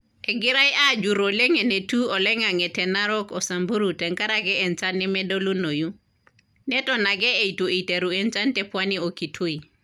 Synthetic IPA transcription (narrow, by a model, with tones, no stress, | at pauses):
ɛ˨ɡi˦ɾa˦jʔa˦d͡ʒu˨ɾo˨le˦ŋe˨ne˨tu˦ɔ˨lɛ˦ŋa˨ŋɛ˨tɛ˨naɾɔ˦kɔ˨sa˨mbu˦ɾu˨tɛ˨ŋka˦ɾa˨ɡɛ˦ɛ˨nt͡ʃa˦nɛ˦mɛdo˦lu˦no˨ju˦ | nɛ˦tɔna˨ɡɛ˦e˨itu˨e˨te˨ɾu˨ɛnt͡ʃa˦ntɛ˦pwanio˨ki˨tʰu˦i˨